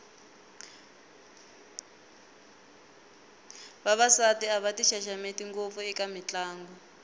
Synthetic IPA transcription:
βaβasatiaβatiʃaʃametiŋɡop̪fuɛkamit͡ɬaːŋɡɔ

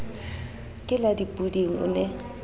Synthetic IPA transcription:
kʼɪladipʼudiŋ̩ʊ̰nɛ

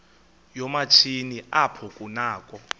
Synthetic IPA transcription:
jɔmat͡ʃʰiniʔapʰɔkʼunaːkʼɔ

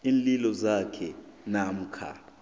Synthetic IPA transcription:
iːnlilɔzakʰɛnam̩kʰa̰

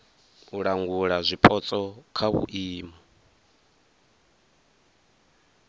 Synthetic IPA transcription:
uɺaŋɡuɺazʷipʰʼɔt͡sʼɔkʰaβṵʔiːmɔ

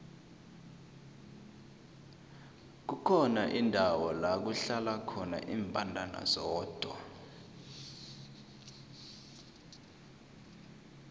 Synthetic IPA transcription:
k̬ukʰɔnaʔindʱawɔlak̬uɬalakʰɔna̰ʔiːmpʼandʱana̰zɔːd̥ʱwa̰

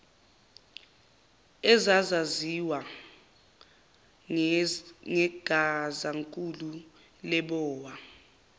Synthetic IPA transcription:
ɛzazaziwa | ŋɛɡ̥ʱazaŋkʼulu | lɛɓɔːwa

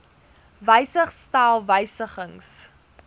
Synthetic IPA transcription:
vəjsəχstaːlˠvəjsəχəŋs

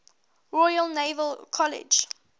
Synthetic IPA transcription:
ɹɔjəlnevəlkʰɔlɪ̰d͡ʒ

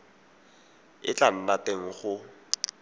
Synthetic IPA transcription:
ɪ̰t͡ɬan̩nateŋ̩χʊ

